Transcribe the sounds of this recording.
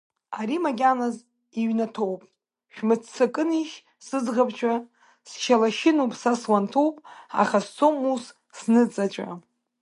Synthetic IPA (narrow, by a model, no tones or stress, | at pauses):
aɾimaɡʲanaz | iɥnatʰowpʼ | ʃᶣmɨt͡sʰt͡sʰakʼɨniʃ | sɨzʁabʰt͡ʃʷʰʼa | sʃalaʃɪnupʼsaswantʰowpʼa̰χast͡sʰomus | snɨt͡sʼat͡ʃʷʼa̰